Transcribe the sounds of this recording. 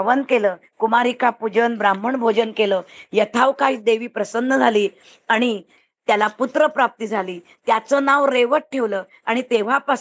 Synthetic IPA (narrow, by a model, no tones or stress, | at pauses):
ʋənkeləː | kumaɾikapud͡ʑənbɾam̤əɳbʱod͡ʑənkeləːjət̪ʰaʋkaiːt͡sd̪eʋiːpɾəsənːəd͡zʱaliː | aɽ̃i | t̪jalaput̪ɾəpɾap̚t̪iːd͡zʱaliː | t̪jat͡sənaʋɾeʋəʈ̚ʈʰːeʋləː | aɽ̃it̪eʋ̤apa